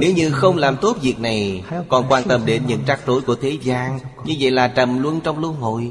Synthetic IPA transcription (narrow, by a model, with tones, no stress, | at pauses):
ne˨˦wɲɨ˧xə˧wŋ͡mlaː˨˩mt̪o˦˥p̚vi˨˩ək̚na˨˩jkɔ˨˩nkwaː˧nt̪ə˧mɗe˨˦nɲɨ̰˧˥ŋt͡ɕaː˦˥k̚t͡ɕo˨˦jku˧˩ət̪ʰe˨˦zaː˧ŋɲɨ˧və̰˧˨jlaː˨˩t͡ɕə˨˩mlwə˧nt͡ɕɔ˧wŋ͡mlu˧əŋɦo̰˧˨j